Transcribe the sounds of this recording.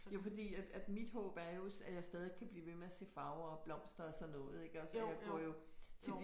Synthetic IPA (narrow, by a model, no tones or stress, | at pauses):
jofɒd̥ḭːæ̥æd̥mid̥ɦɔ̰̽ːb̥æɐjo̝sæjɑ̈ɪsd̥ɛːðˠe̥kʰæb̥liːʋe̝meæse̝̰ːfɑ̈ʊɐːb̥lɒ̽m̰sd̥ɐɒsɒ̽nːɔ̽ːð̩ˠe̝ɡ̥ɒ̽sɒjɑɡ̥ɒɐjo̝t͡sʰe̝̥